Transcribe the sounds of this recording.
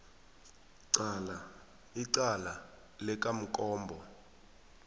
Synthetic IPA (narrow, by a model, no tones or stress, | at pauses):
ǀala | iǀala | lɛk̬ʼam̩kʼɔːmbʱɔ